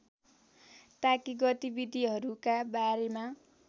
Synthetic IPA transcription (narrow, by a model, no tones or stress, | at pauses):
t̪akiɡʌt̪ibid̪ʱiɦʌɾukabaɾema